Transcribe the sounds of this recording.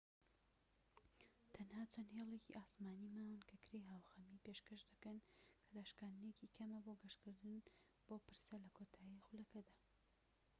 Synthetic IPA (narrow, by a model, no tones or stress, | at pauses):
t̪ʰɐnhaːt͡ʃʰɐnhelˠecḭʔaːsmaːnimaːwɨnkʰɐkʰɾejɦaːwxɐmipeːʃkɐʃd̪ɐkɐnkʰɐd̪aːʃkaːnd̪necikʰɐmɐboɡɐʃkɨɾd̪ɨn | b̥oːpɨɾsɐlɐkʰot̪ʰaːixʊlɐkɐd̪aː